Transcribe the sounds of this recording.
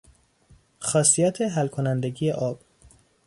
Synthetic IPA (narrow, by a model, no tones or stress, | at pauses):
xɒːsijæt̪ʰeɦælkʰonænd̪eɟiːjeʔɒːb̥